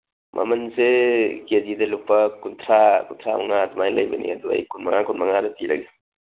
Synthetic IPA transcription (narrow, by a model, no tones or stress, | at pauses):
mʔɐ̰mɐnsekedidɐlupːɐkunt̪ʰɾakunt̪ʰɾaṵŋatʰmajlɐjbɐnḭɐduɐ̰jkunmɐŋakunmɐŋadɐtilɐ̰ɡe